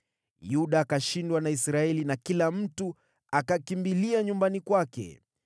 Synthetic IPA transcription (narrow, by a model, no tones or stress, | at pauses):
juɗaːkaʃindwanaisɾaɛlinakilam̩tu | akakimbiliaɲumbanikwakɛ̰